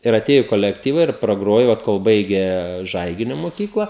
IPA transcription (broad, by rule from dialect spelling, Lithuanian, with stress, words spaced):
ɪr ɐˈtʲeːjʊ ɪ koːlʲɛkˈtʲiːʋɐ ɪr prɐˈɡroːjoː ˈoːt koːlˠ ˈbɐɪɡʲeː ˈʒɐɪɡʲɪnʲʊ moːˈkʲiːklˠɐ